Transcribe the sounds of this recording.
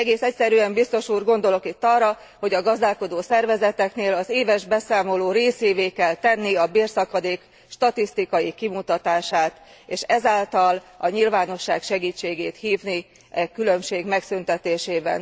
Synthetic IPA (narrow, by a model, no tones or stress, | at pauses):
ɛɡeːsɛc̚sɛɾyɛmbist̪o̞ʃuːrɡo̞nd̪o̞lo̞kit̪ːɒrːɒ | ho̞ɟɒɡɒzd̪aːlko̞d̪oːsɛrvɛzɛt̪ɛkneːlɒzeːvɛʒbɛsaːmo̞loːɾeːseːveːkɛlt̪ɛnːiɒbeːrsɒkɒd̪eːk | ʃt̪ɒt̪ist̪ikɒjikimut̪ɒt̪aːʃaːt̪ | eːʃɛzaːlt̪ɒlɒɲilvaːno̞ʃːa̰ːkʃɛɡiːt͡ʃːeːɡeːt̪hiːvni | ɛkylømʃeːɡmɛksynt̪ɛt̪eːʃeːbɛ̰n